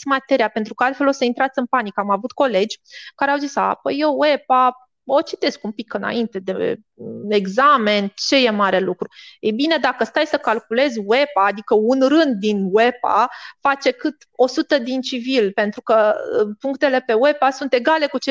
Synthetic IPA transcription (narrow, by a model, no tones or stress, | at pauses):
mat̪e̞ɾiapent̪ɾukəalt̪fe̞lo̞səint̪ɾat̪sɨnpanikamavut̪ko̞le̞d͡ʒʲkaɾeawzisa̰pəjewwepa | o̞t͡ʃit̪e̞skumpikɨna̰int̪e̞d̪e | e̞ɡzame̞nt͡ʃe̞je̞maɾe̞lukɾuejbine̞d̪akəst̪ajsəkalkule̞zwe̞paːd̪ikəunrɨnd̪̚ːinwe̞pa̰fat͡ʃe̞kɨt̪ | o̞sut̪əd̪int͡ʃivilpe̞nt̪ɾukəpuŋkt̪e̞le̞pe̞we̞pasunt̪e̞ɡale̞kut͡ʃe